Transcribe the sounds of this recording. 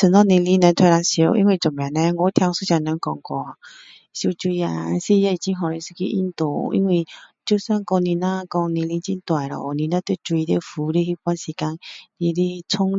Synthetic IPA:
t͡sʰə˨nɔ̃˧nĩ˧li˧˦nɛ̃˧t̪ʰe˧ɾa˧ŋɕo˧˦ʔḭ˧˦nwi˧˩t͡ɕɔ˨˩mjã˨nɛ̃˧˦˧ŋo˧˦t̪ʰja˧ŋsu˦ɕã˧˩nã˧ŋ˦kɔ̰˧ŋkwɔ˧˩ | ɕu˧t͡ɕwi˧a˧si˦˧˨ja˧˨i˨˩t͡ɕi˦ɦɔ̃˨ɾi˧˦si̥˧kḭ˧˦ʔi˦nt̪o˨˧˦ḭ˧˦nwi˧˨t͡ɕu˦sa˦nkɔ˧ŋnĩ˧nã˦kɔ˧ŋnĩ˧li˧nt͡ɕi˦nt̪wa˨jlɔ̰˨nĩ˧nã˦t̪e˧˩t͡swi˧d̪e˧˦fu˨˦ɾi˦hi˦pa˧˦nsi˨˩ka˧ŋli˧li˦t͡sʰʊ˦ŋ

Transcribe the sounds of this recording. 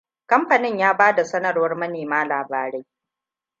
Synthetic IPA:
kɐ˦mɸɐ˨nɪ˦ɲjaː˦baː˦da˨sɐ˦nɐ˨rwɐ˦rmɐ˦neː˨maː˦laː˨baː˦ɾɛ˦j

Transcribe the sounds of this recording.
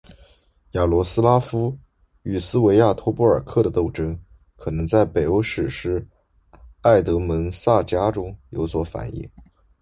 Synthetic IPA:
ja˨˩lwɔ˧˥sɹ̩˥la˥fu˥ | y˨˩sɹ̩˥we˧˥ɪja˥˩t̪ʰwɔ˥pu˥˩ə˞˨˩kʰɤ˥˩d̪ə˩t̪o˥˩ʊʈ͡ʂɤ˥ŋ | kʰɤ˨˩nɤ˧˥ŋt͡sa˥˩ɪpe˨˩ɪo˧˥ʊʂɻ̩˨˩ʂɻ̩˧˥ | a˥˩ɪt̪ɤ˧˥mə˧˥nsa˥˩t͡ɕja˥ʈ͡ʂʊ˥ŋjo˧˥ʊswɔ˧˥fa̰˨˩nḭ˥˩ŋ

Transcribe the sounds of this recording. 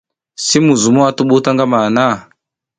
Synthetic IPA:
si˦mu˨zu˨mu˦a˦tu˦ɓu˦ta˦ŋɡa˦ma˨na˦˨

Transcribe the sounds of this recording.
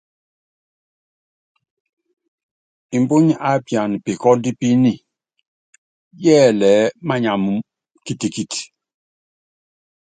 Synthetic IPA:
i˨mbu˦ɲ˦a˦pja˨n˨pi˨kɔ˦n˦di˦pi˦ni˦˨ | jɛː˦˨lɛ˨˦ma˦ɲa˨mu˨ | ki˦ti˨ki˦˨ti̥˨

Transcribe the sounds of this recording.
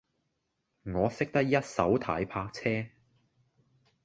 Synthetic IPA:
ŋɔː˨˧sɪ˥k̚t̪ɐ˥k̚jɐ˥t̚sɐ˨˥wt̪ʰaː˨˥jpʰaː˧k̚t͡sʰɛː˥

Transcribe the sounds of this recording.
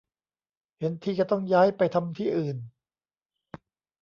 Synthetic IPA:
he˩˦nt̪ʰiː˧˩t͡ɕa˧˩t̪ɔ˥˩ŋjaː˦˥jpa˧jt̪ʰa˧mt̪ʰiː˥˩ʔɯː˨˩n

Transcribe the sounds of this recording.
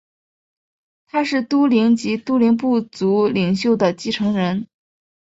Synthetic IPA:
t̪ʰa˥ʂɻ̩˥˩t̪u˥li˧˥ŋt͡ɕi˧˥t̪u˥li˧˥ŋpu˥˩t͡su˧˥li˨˩ŋɕjo˥˩ʊd̪ə˩t͡ɕi˥ʈ͡ʂʰɤ˧˥ŋɻə˧˥n

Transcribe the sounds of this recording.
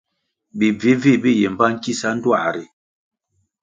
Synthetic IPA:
bi˨vi˨˦vi˦˨bi˦je˨m˨ba˦ŋ̩˦ki˦sa˦n̩˦dwa̰˦˨ʔɾi˨

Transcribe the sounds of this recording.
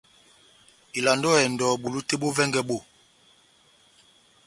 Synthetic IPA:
i˨la˨ndɔ˦˨ɛ˨ndɔ˨ɓu˨lu˦te˦ɓo˦vɛ˦ŋɡɛ˦ɓo˦˨

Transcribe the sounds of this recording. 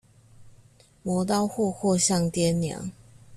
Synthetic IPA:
mwɔ˨˦t̪̬ɑ˥˧ʊxɔ˥˧xwɔ˥˧ɕjɑ˥˨ŋt̪jɛ˥˦nnjɑ̰˨˦ŋ

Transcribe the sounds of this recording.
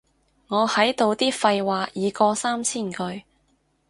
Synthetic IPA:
ŋɔː˨˧hɐ˨˥jt̪o˨˧wt̪iː˥fɐ˧jwaː˨jiː˨˧kɔː˧saː˥mt͡sʰiː˥˩nkɵ˧ɥ

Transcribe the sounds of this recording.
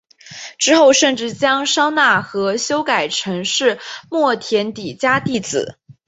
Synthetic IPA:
ʈ͡ʂɻ̩˥xo˥˧ʊʂə˥˧nʈ͡ʂɻ̩˥˩t͡ɕjɑ˥ŋʂɑ˥ŋna˥˩xɤ˧˥ɕjo˥ʊka˨˩ɪʈ͡ʂʰɤ˧˥ŋʂɻ̩˥˩˧mwɔ˥˩t̪ʰjɛ˧˥nt̪i˨˩t͡ɕja˥t̪i˥˩t͡sɹ̩̰˨˩˦

